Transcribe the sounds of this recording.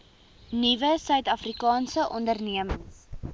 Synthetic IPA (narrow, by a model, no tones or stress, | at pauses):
nivəsœɥtɐfrikɑːnsəʔɔndərniəməŋs